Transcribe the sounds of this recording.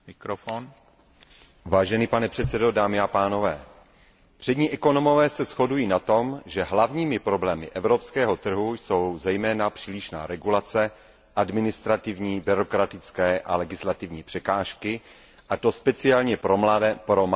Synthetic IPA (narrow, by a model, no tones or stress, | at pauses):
mɪkɾofon | vaːʒɛniːpanɛpr̝̥ɛt̪t͡sɛdo̞daːmɪapaːno̞vɛː | pr̝̥ɛdɲiːʔɛko̞no̞mo̞vɛːsɛsxo̞dujiːnat̪o̞mʒɛɦlavɲiːmɪpɾo̞blɛːmɪ̰ʔɛvɾo̞pskɛːɦo̞t̪r̩ɦujso̞wzɛjmɛːnapr̥iːlɪʃna̰ːɾɛɡulat͡sɛ | ʔadmɪnɪst̪ɾat̪ɪvɲiːbɪɾo̞kɾat̪ɪt͡skɛːʔalɛɡɪslat̪ɪvɲiːpr̝̥ɛkaːʃkɪ | ʔat̪o̞spɛt͡sɪalɲɛpɾopɾom